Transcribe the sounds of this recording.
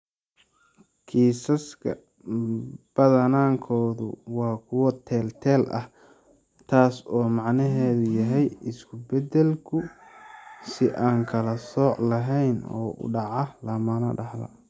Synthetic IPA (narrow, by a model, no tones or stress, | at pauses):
kʰiːsɐskʰɐ̰ | b̥ɐðɐnaːŋkʰɔːðʊ̰wɑːkʰʊwɔt̪ʰɛːlt̪ʰɛːlʔɐ̰h | t̪ʰaːsɔːmɑʕnɐɦɛːðʊjɐɦɛjɪskʰʊbɛd̪ɛlkʰʊ | sɪʔaːŋkʰɐlɐsɔːʕlɐɦɛjnɔ̰ːʊ̰ɖɑʕɑlɐmɐnɐ̰ɖɑħlɐ̰